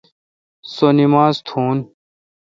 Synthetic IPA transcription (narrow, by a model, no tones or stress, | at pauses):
sonimaːzt̪ʰuːn